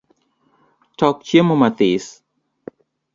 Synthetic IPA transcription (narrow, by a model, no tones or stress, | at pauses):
t̪ɔk̚t͡ʃiəməmat̪is